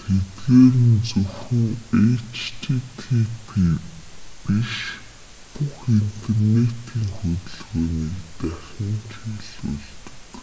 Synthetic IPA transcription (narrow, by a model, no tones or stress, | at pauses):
t̪ʰet̪ɣeːɾɘ̆nt͡sɵwxɵ̆ŋet͡ɕʰt̪ʰit̪ʰipʰi | piʃ | pʊxint̪ʰernet̪ʰiːŋxɵt̪ɵ̆ɮɣoːniːkt̪æxʲə̆nt͡ɕʰiːɮɵ̰ɮt̪ɵ̥̆k